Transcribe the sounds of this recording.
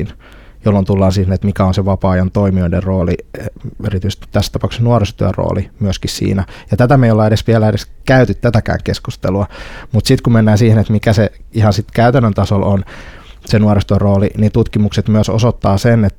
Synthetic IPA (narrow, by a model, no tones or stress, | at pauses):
n | jolːont̪ulːɑːnsiːhenet̪mikæonseʋɑpɑːjɑnt̪oimioiderroːlieeɾit̪yise̥st̪i̥t̪t̪æst̪ɑpɑˑuksnuorest̪uærro̰ːlimyøskissḭːnæjɑt̪æt̪æmeiolːɑeɾesʋiælæedeskæyt̪yt̪t̪ːæt̪ækæ̰ːŋkeskust̪ḛluɑmut̪sit̪kumenːæːnsiːhenet̪mikæseihɑnsit̪kæyt̪ænːønt̪ɑsolʔon | senuorest̪uørroːlinint̪ut̪kimukset̪myøso̰sot̪ːɑːsenet̪